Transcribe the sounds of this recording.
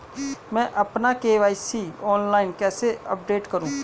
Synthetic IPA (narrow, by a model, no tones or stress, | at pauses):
mɛ̃ːʔɐpnakeːʋaːisiːɔːnlaːɪnkɛːseə̰p̚ɖeːʈkəɾũː